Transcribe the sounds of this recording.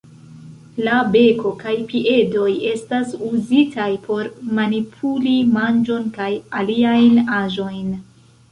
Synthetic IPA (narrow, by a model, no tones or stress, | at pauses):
labe̞ko̞kajpiʔe̞do̞je̞stasuzitʰajpʰo̞ɾmanipʰulimand͡ʒo̞nkajaliajnaʒo̞jn